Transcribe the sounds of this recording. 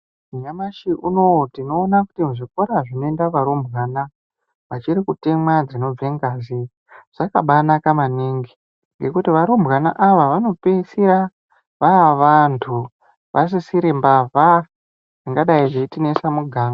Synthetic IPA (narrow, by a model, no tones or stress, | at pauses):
uɲamaʃiʔunotino̞ːnakutimuʐiko̞ɾaʐino̞e̞ndaʋaɾombʱɣana | ʋat͡ʃiɾikute̞mwad͡zino̞b͡veŋɡazi | ʐ̥aka̰ɓanakamaniŋɡi | ŋɡe̞kutiʋaɾombɣana̰ʔaʋaʋano̞pesiɾa | ʋaʋantʰu | ʋʔas̬isiɾimbavʱa | ʐiŋɡaɗaiʐeitinesamuɡʱaːŋa